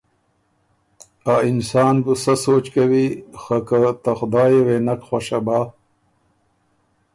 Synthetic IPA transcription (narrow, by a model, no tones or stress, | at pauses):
aːinsɑːnbusɐsoːt͡ʃkɐwixakat̪axʊd̪aːjeweːnɐkxwaʃabaː